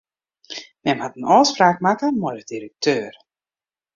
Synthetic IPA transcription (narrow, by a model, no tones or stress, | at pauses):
mɛmhatənɔːspraːk̚makəmɔjdədiɾək̚tʰøːr